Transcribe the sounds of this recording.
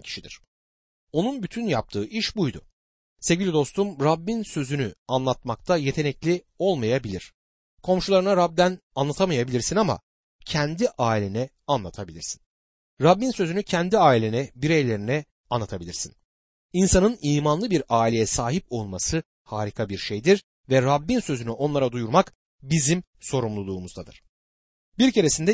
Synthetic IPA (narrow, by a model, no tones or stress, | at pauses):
cʰi̥ʃid̪ḭɾ̥ | o̞nunbyt̪ʰynjap̚t̪ʰɯːʔiʃbujd̪ʊ̰ | sevɟʲilʲid̪o̞st̪umɾabːinsø̞zynyanlˠat̪mak̚t̪ʰaje̞t̪ʰe̞nɛclʲi | o̞lˠmajabilʲiɾ̥ | kʰo̞mʃulˠaɾɯnaɾab̚d̪ænanlˠat̪ʰamajabilʲiɾsinama̰ | cʰɛnd̪iʔaːilʲenɛ | anlˠat̪ʰabilʲiɾsi̥n | ɾabːinsø̞zynycʰɛnd̪iaːilʲenɛbiɾejlʲe̞ɾinɛ | anlːˠat̪ʰabilʲiɾsḭn | insanɯniːmanlˠɯbiɾaːilʲe̞jɛsaːɦipo̞lˠmasɯ | haːɾikʰabiɾʃejd̪iɾ | vɛɾabːinsø̞zynyʔo̞nlˠaɾad̪ujuɾmak | bizim | so̞ɾumlˠulˠuːmuzd̪ad̪ɯɾ̥ | biɾce̞ɾe̞sind̪ɛ